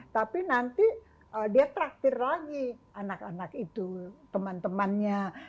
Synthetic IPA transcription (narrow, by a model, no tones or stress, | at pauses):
t̪apinant̪i | ədiat̪əɾak̚t̪ɪrlaɡiʔanakanakit̪ut̪əmant̪əmanɲa